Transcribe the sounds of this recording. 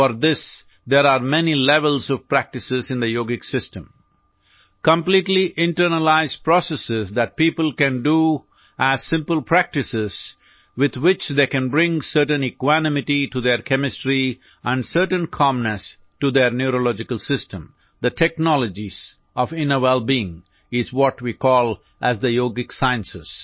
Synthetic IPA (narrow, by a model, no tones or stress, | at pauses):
fɔɾd̪ɪs | d̪eɾaːɾmɛnilɛʋəlzɔʋpɾæk̚ʈɨsɪzɪ̃nd̪əjoːɡɪksɪsʈə̃m | kə̃mpliːʈliʔɪ̃ɳʈəɾnəlaɪzpɾɔsəsɪzd̪æʈ̚piːpəl̩ˠkæ̃nɖu | ʔæz̥sɪ̃mpəlˠpʰɾæk̚ʈɨsɪz̥ | wɪd̪wɪt͡ʃd̪eːkæ̃nbɾɪ̃ŋsəɾʈə̃nɛkwænɪmɪʈiʈud̪eɾkʰɛmɪsʈɾi | ʔæ̃nɖsəɾʈə̃nkʰɑ̃mnəs | ʈud̪eɾnjuɾolɔd͡ʒɪkəlˠsɪstə̃m | d̪əʈʰɛknɔləd͡ʒiz | ɔfɪ̃nəʋɛlbiɪ̃ŋ | ɪzwɔʈwikɔːlˠ | ʔæzd̪əjoːɡɪksaɪə̃nsɪs